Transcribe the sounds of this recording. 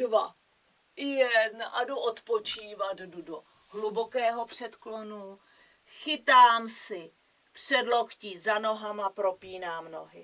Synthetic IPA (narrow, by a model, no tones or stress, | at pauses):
dva | ɪjɛdnʔadoʔot̪pot͡ʃiːvad̪dudo | ɦlubokɛːɦo̞pr̝̥ɛt̪klo̞nu | xɪt̪aːmsɪ | pr̝̥ɛdlo̞xciːzano̞ɦamapɾo̞piːnaːmno̞ɦɪ